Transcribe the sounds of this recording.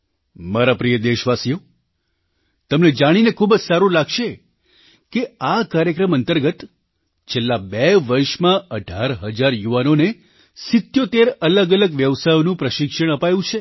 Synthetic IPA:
maɾapɾijəd̪eʃʋasijo | t̪əmned͡ʒaɽ̃inekʰubəd͡ʒsaɾũlaɡʃe | keakaɾjəkɾəmənt̪əɾɡət̪ | t͡ʃʰelːabeʋəɾʃmãəɖʱaɾɦəd͡ʒaɾjuʋanone | sɪt̪jot̪eɾələɡələɡʋjəʋsajonũpɾəʃɪkʃəɽ̃əpajũt͡ʃʰe

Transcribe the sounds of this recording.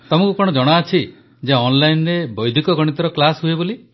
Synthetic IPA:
t̪ɔmɔ̃ŋkukɔɽ̃ɔd͡ʒɔɽ̃aːt͡ʃʰi | d͡ʒeɔnlajnɾebɔjd̪ʱikɔɡɔɽ̃it̪ɔɾɔklasɦueboli

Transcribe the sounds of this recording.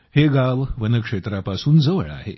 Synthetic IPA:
heɡaʋʋənəkʂet̪ɾapasuːnd͡zəʋə̰ɭa̰ɦḛ

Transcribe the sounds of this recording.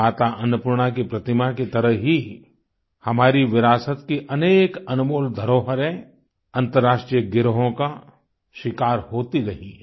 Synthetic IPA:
aːt̪aʔɐnʊpʊɾɽ̃ak̬ipɾɐt̪ɪmaket̪ɐɾəɦɦi | hɐmaːɾiʋɪɾaːsət̪kiʔɐneːkɐnʊmoːld̪ʱɐɾoːɦəɾẽ | ɐ̃nt̪əɾːaːʃʈɾijəɡɪɾɦõka | ʃɪkaːɾɦoːt̪iɾɐɦĩ

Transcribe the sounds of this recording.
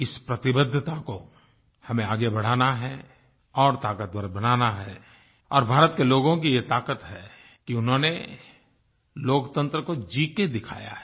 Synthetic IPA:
ɪspɾɐt̪ɪbəd̪ʱːət̪ako | hɐmẽaːɡebɐɽ̤aːnaɦɛ | ɔːɾt̪aːkət̪̚əɾbɐnaːnaɦɛː | ɔːɾbʱaːɾət̪̚keloːɡõkijet̪aːkət̪ɦɛ | kiʊnɦõne | loːkt̪ə̃nt̪ɾəkod͡ʒiːked̪ɪkʰa̰ːja̰ɦɛ

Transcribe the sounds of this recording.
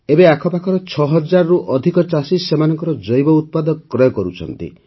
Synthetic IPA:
ebeakʰɔpakʰɔɾɔt͡ʃʰɔɦɔd͡ʒaɾɔɾuʔɔd̪ʱikɔt͡ʃasisemanɔŋkɔɾɔd͡ʒɔjbɔut̪̚pad̪ɔkkɾɔjɔkɔɾut͡ʃʰɔ̰nt̪ḭ

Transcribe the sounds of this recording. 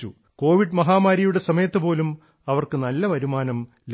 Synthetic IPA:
ṵ | ko̞ːʋiɖmɐɦaːmaːɾɐjuɽe̞sɐmɐjɐt̪ːɨpo̞ːlum | ɐʋɐrkɨnɐlːɐʋɐɾumaːnɐm | l

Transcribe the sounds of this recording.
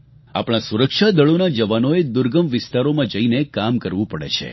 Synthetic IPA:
a̰pɽ̃ãsuɾəkʃad̪əɭonad͡ʒəʋanoed̪ʊɾɡəmʋɪst̪aɾomãd͡ʒəinekamkəɾʋũpəɽḛt͡ʃʰḛ

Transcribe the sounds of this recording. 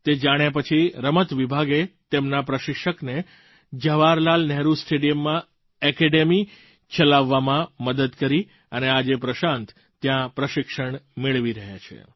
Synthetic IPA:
t̪ed͡ʒaɽ̃japət͡ʃʰiɾəmət̪ʋibʱaɡet̪emnapɾəʃɪkʃəkne | d͡ʒəʋaɾlalnɛɦɾusʈeɖijəmːã | ɛkeɖemi | t͡ʃəlaʋːamãməd̪əd̪kəɾi | ənead͡ʒepɾəʃãnt̪ | t̪jãpɾəʃɪkʃəɳmeɭʋiɾəɦjat͡ʃʰḛ

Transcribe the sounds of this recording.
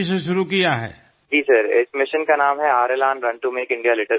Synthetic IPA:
s̬eʃʊɾukijaɦɛ̰ː | d͡ʒiːsɐɾɪsmɪʃənkanaːmɦɛaːɾelãːnɾɐ̃ɳʈumeːkɪ̃ɳɖijalɪʈə

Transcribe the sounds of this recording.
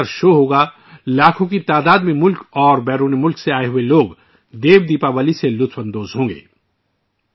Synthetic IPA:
əɾʃoːɦoːɡa | laːkʰõkit̪aːd̪aːd̪mẽmʊlkɔːɾbɛːɾuːnimʊlkseaːeɦʊeloːɡ | d̪eːʋd̪iːpaʋəliselʊt̪ʰfə̃nd̪oːzɦõːŋɡḛː

